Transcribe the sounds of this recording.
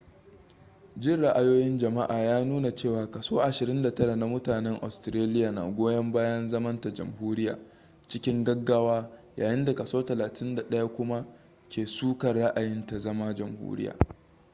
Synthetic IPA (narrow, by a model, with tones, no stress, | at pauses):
d͡ʒɪ˦˨ɽa˦ʔa˨joː˦jɪ˦nd͡ʒɐ˨ma˦ʔaː˨jaː˦nuː˦na˨t͡ʃeː˦˨waː˨kɐ˨soː˦ʔa˨ʃɪ˨ɾɪ˦nda˨tɐ˦ɾa˨na˨mʊ˦taː˨nɛ˦ŋʔa̰˨stɪ˨ɾeː˦lɪ˦jaː˨na̰˨ɡʷoː˦jɐ˦mbaː˦jɐ˦nzɐ˦mɐ˦nta˨d͡ʒɐ̰˨mhuː˦ɾɪ˦ja̰ː˨ | t͡ʃɪ˦kʲɪ˦ŋɡɐ˦ɡːaː˦waː˦jaː˨jɪ˦nda˨kɐ˨soː˦tɐ˨laː˨tʰɪ˦nda˨ɗɐ˦ja˦kʷʊ˦ma˦ | kʲeː˨suː˦kɐ˨rɽa˦ʔa˨jɪ˦nta˨zɐ˦ma˦d͡ʒɐ˨mhṵː˦ɾɪ̰˦ja̰ː˨